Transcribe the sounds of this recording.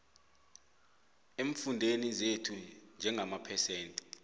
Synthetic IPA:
eɱfundʱenizetʰund͡ʒʱɛŋʱamapʰɛsɛːntʼɛ̥

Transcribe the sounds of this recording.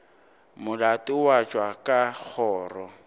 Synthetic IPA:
mʊlatʼɪwat͡ʃʼwakʼak͡xʰɔːrɔ

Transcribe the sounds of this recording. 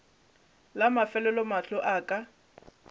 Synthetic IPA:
lamafɛlɛlɔmaɬɔʔaːkʼa

